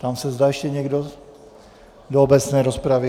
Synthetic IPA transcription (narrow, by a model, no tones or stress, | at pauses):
t̪amsɛzdaːjɛʃcɛɲɛɡdo | doobɛt͡snɛːɾospɾavɪ